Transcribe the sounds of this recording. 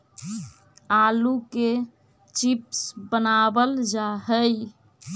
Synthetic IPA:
aluke | t͡ʃipsbənabəld͡ʒaɦəj

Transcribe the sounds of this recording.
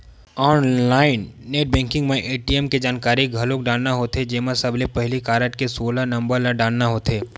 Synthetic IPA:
ɔːnlaːɪnːeːʈ̚bɛ̃ːŋkɪ̃ŋɡmẽʔeːʈiɛmked͡ʒaːnkaːɾiɡʱɐlõkɖaːɽnaɦoːt̪ed͡ʒeːmãsɐblepɛɦlikaːɾəʈkesoːlanɐ̃mbəɾlaɖaːɽnaɦoːt̪eː

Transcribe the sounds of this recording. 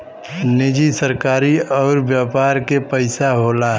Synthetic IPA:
nɪd͡ʒisəɾkaːɾiɔːɾbjaːpaːɾkepəɪsaɦolaɦ

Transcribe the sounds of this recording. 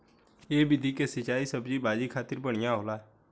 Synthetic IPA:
eːbɪd̪ʱikesət͡ʃaːisəbd͡ʒibaːd͡ʒikʰaːt̪ɪɾbəɽ̃ɪjãɦoːlaːɛ

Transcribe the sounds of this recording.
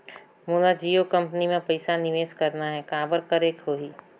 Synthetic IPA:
moːlad͡ʒiːokɐ̃mpnimẽpɐɪsanɪʋeːskɐɾnaɦɛkaːbəɾkɐɾeːkɦoːɦiː

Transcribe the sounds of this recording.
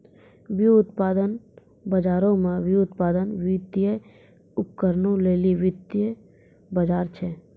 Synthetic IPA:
ʋjuʊt̪paːd̪ən | bəd͡ʒaːɾõmẽʋuʊt̪paːd̪ənʋɪt̪ɪje | ʊp̚kəɾnõleːliʋɪt̪jə | bəd͡ʒaːɾt͡ʃʰɛ

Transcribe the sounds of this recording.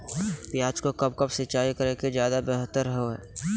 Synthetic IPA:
pjaːd͡ʒkokəpkəpsɪt͡ʃaːikəɾeked͡ʒjaːd̪abeɦt̪ːəɾɦoɦɛ̰ː

